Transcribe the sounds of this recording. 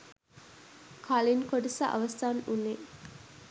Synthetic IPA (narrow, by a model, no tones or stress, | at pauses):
kʰalinkoɖisa̰ʔɐ̰ʋɐst̪aːnune